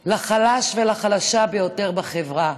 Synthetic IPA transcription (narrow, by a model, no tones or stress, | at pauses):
laχalaʃvelaχalaʃabejo̞te̞ʁbaχevʁa